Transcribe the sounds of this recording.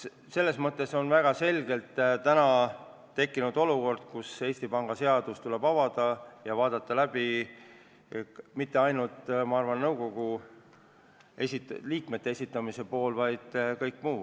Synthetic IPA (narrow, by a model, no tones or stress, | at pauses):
se̞lːe̞smɤt̪ˑːe̞so̞nvæɡ̥ɑse̞lɡ̥e̞lt̪t̪ænɑ | t̪e̞kːinud̪o̞luko̞rd̪̥̚kuse̞ːsʲt̪ipɑŋɡ̥ɑse̞ɑd̪̥ust̪ule̞bɑvɑd̪̥ɑjɑvɑːd̪ɑt̪ˑːɑlæb̥i | mit̪ːe̞ɑjnult̪ˑmɑɑrvɑnːɤwko̞ɡ̥u | esit̪liːkmet̪ːˑe̞esʲit̪ːˑɑmise̞po̞ːlvɑjd̪̥kɤjkːmuː